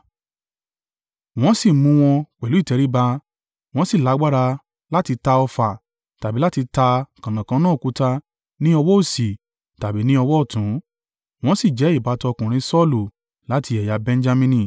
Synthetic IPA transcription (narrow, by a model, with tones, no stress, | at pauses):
w̃ɔ̃˦si˦˨mũ˧w̃ɔ̃˧k͡pɛ˨lu˨˦i˦˨tɛ˨˧˦ɾi˦ba˧ | w̃ɔ̃˦si˦˨la˨˦ɡ͡ba˦ɾa˧ | la˦ti˧ta˧ɔ˧fa˨ | ta˨bi˨˦la˦ti˧ta˧kã˨nã˨kã˧˦nãː˦˨ku˨˦ta˧ | nĩ˦ɔ˧wɔ˦o˦˨si˨ | ta˨bi˨˦nĩ˦ɔ˧wɔ˦ɔ˦˨tũ˨˦ | w̃ɔ̃˦si˦˨d͡ʒɛ˨˦i˦˨ba˨˦tɔ˧kũ˨ɾ̃ĩ˧˦sɔ˦lu˨ | la˨˦tʰi˧˦ɛ˨ja˨˦bɛ̃˧n˦d͡ʒa˧mĩ˧nĩ˧˨